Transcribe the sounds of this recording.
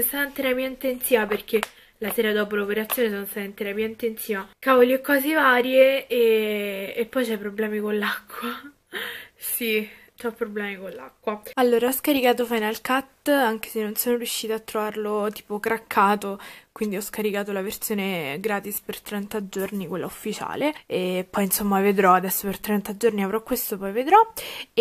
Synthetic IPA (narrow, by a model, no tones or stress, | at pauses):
st̪at̪ant̪eɾapiːaint̪ent̪siːvaperk̟e | lasɛːɾad̪ɔːpolaopeɾat̪sjoːnes̬onost̪aːt̪ant̪eɾapiaint̪ent̪siːvakaːvoliɛkwaːzevaːɾjeeː | pːɔjt͡ʃɛpːɾoblɛːmikolːakʰːwa | si | t͡ʃapːɾoblɛːmikolːa̰kːwaalːoːɾaɔskaɾikaːt̪̬ofajnalkat̪ːaŋk̟e̥senːonsoːnoɾjuʃːiːt̪oat̪ːɾovarlot̪i̥ːpokɾakʰːaːt̪okwind̪iɔskaɾikaːt̪olaversjoːneɡɾaːt̪ispert̪ɾɛnt̪ad͡ʒornikwelːaufːit͡ʃa̰ːleepːɔjinsomːaved̪ɾɔad̪ɛsːopert̪ɾɛnt̪ad͡ʒorniavɾɔkːwest̪opɔjved̪ɾɔ